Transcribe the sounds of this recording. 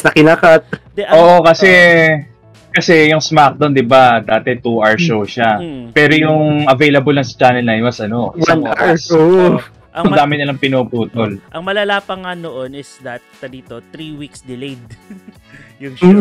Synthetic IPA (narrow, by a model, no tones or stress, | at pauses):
snɐkɪnakat̪̚d̪ɛʔoːʔo̞kɐsɛ | kɐsɛjʊŋsmak̚d̪ond̪ɪbad̪aːt̪ɛt̪uʔaɹʃowʃapɛːɾo̞jʊŋʔɐvejlɐbolːɐŋsɐ̥t͡ʃaːnɛlːajnmɐsɐno̞wɐnaɹso | ɐŋd̪aːmɪnɐlɐŋpɪnoːpuːt̪olʔɐŋmɐlɐlaːpɐŋːanoʔonɪsd̪at̪̚ːɐd̪iːt̪ot̪ɾiwiksd̪ɪlejd̪̚ | jʊ